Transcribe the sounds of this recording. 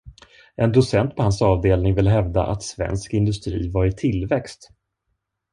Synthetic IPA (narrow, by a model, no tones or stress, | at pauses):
ʔɛnd̪ʊsɛnt̪̚pʰɔhansɑːvd̪eːlnɪŋvɪlɦɛvd̪a̰ʔa̰t̪svɛ̰nskɪnd̪ɵst̪ɾiːvaɾɪt̪ʰɪlvɛkst̪